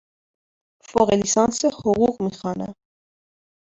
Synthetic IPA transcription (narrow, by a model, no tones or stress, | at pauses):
fɔʁɛlisɑnsəhɔʁuʁmiχɑnə̰